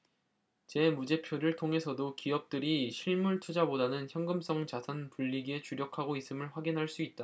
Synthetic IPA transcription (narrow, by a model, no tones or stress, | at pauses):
t͡ɕe̞mud͡ʑe̞pʰjoɾɯɭtʰoŋɦe̞sʰʌdokiʌp̚t͈ɯɾiɕʰiɭmuɭt͡ɕʰud͡ʑabodanɯnçjʌŋɡɯms͈ʌŋt͡ɕasʰanpuʎːiɡie̞t͡ɕuɾjʌkʰaɡois͈ɯmɯɭɸwaɡinɦaɭs͈uit̚t͈a